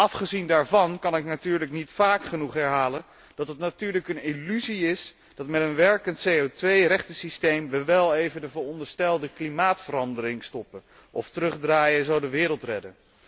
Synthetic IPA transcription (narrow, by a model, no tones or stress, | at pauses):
ʔɑfχəzindaːɹvɑnkɑnɪknatyːɹləknitfaːkχənuχɦɛɹɦaːlən | d̥ɑtətnatyːɹləkənɪlyziɪs | d̥ɑtmɛtənʋɛɹkəntsejowtʋejrɛχtəsistejmʋəʋɛlˠejvəndəvəːɹɔndəɹstɛlˠdəklimaːtfəɾɑndəɾɪŋstɔpə | ʔɔftərɵχdraːjəzowdəʋɪːɾəlˠtrɛdən